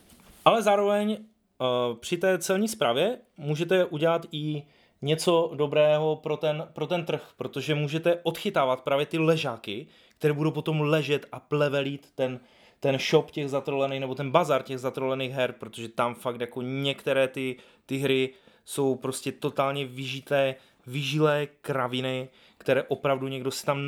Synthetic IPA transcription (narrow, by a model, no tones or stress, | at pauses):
ʔalɛzaːɾo̞vɛɲ | pr̝̥ɪt̪ɛːt͡sɛlɲiːspɾaːvjɛ | muːʒɛt̪ɛʔuɟɛlat̪ɪ | ɲɛt͡so̞do̞bɾɛːɦo̞pɾot̪ɛnpɾo̞t̪ɛnt̪r̩xpɾo̞t̪o̞ʒɛmuːʒɛt̪ɛʔo̞t̪xɪt̪aːvat̪̚pɾaːvjɛt̪ɪlɛʒaːkɪ | kt̪ɛɾɛːbudowp̬o̞t̪o̞mlɛʒɛt̪ʔaplɛvɛliːt̪ːɛn | t̪ɛnʃo̞pcɛɣzat̪ɾolɛniːxnɛbo̞t̪ɛnbazaɾcɛɣzat̪ɾolɛniːɣɦɛɾpɾot̪oʒɛt̪amfakt̪jako̞ɲɛkt̪ɛɾɛːt̪ɪ | t̪ɪɦɾɪso̞wpɾo̞scɛt̪o̞t̪aːlɲɛvɪʒɪt̪ɛː | vɪʒɪlɛːkɾavɪnɪ | kt̪ɛɾɛːʔo̞pɾavduɲɛɡdo̞sɪ̥t̪am